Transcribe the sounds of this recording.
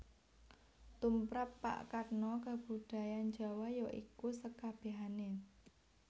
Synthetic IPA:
t̪umpɾapːa̰ʔkarnɔkab̥ud̪̥a̤jand͡ʒa̤wajɔʔḭkusəkab̥e̤ɦane

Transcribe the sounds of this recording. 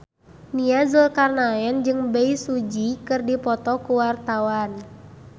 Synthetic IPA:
niazulkarnaɛnd͡ʒɨŋbɛisud͡ʒikɨrdipɔt̪ɔkuwart̪awan

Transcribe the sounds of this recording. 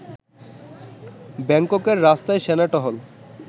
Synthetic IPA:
bɛŋkokeɾːast̪aeʃɛnaʈɔɦol

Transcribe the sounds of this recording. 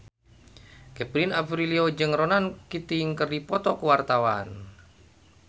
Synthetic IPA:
kɛpɾinafɾiliod͡ʒɨŋronankit̪iŋkərdipɔt̪ɔkəwart̪awan

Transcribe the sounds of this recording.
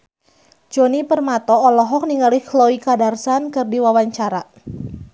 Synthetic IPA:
d͡ʒonipərmat̪ɔːlɔɦɔk̚niŋaliklɔikadarsankɨrdiwawaɲt͡ʃaɾa

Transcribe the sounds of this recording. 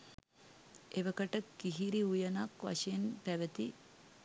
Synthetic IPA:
eʋɐkɐʈɐkːiɦiɾiujɐnaːkʋɐ̰ʃenpæʋət̪i

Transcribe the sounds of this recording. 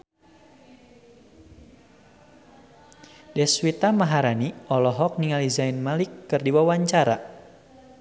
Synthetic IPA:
dɛswit̪amaɦaɾaniɔlɔɦɔk̚niŋalizainmalikːɨrdiwawaɲt͡ʃaɾa

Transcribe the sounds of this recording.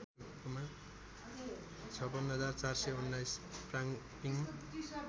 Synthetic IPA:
koma | t͡sʰʌbʌnɦʌd͡zart͡sarsʌjunːajspraŋ | piŋm

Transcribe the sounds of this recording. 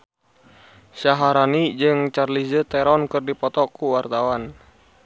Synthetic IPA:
saɦaɾanid͡ʒɨŋt͡ʃarlizət̪ɛɾɔnkɨrdipɔt̪ɔkuwart̪awan

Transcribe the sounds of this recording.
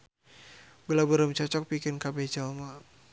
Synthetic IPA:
bəlabəɾəmt͡ʃɔt͡ʃɔk̚pikɪnkabɛd͡ʒalma

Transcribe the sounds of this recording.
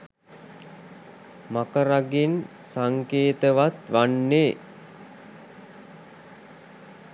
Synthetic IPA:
makəɾaɡen | saŋkeːt̪əʋat̪ʋanːe

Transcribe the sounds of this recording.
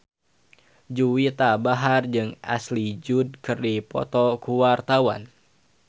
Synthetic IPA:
d͡ʒuwit̪abaɦard͡ʒɨŋa̰slid͡ʒud̚kɨrdipɔ̰t̪ɔkuwart̪awa̰n

